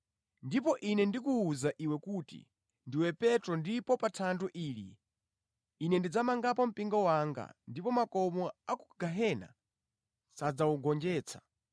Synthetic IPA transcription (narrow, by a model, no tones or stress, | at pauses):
ndipɔʔinɛndikuːzaʔiwɛkutḭ | ndiwɛpɛtɾɔndipɔpatʰanduʔiːlḭ | nɛndid͡zamaŋɡapɔm̩piŋɡɔwaŋɡa̰ndipɔmakɔmɔaku̥ɡaɦɛna̰ | sad͡zauɡɔnd͡ʒɛːt͡sʰḁ